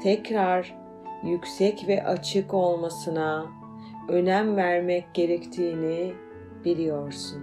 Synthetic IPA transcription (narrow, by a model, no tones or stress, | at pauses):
t̪ʰɛcɾaɾ | jycʲsɛcvɛʔat͡ʃʰɯko̞lˠmasɯna | ø̞næmvæɾmɛcɟe̞ɾɛct̪ʰiːni | b̥ilʲijo̞ɾsun